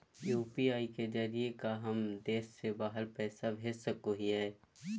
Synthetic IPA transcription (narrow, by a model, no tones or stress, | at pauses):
juːpiaːiked͡ʒəɾiekaɦəmd̪eːʃːebaːɦəɾpɛːsabʱesəkoɦiɦɛː